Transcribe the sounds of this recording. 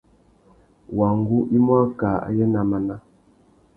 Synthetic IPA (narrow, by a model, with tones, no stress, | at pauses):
wa˨ŋɡu˦ʔi˦mwa˦kaː˨a̰˨jə˦na˨ma˨na˦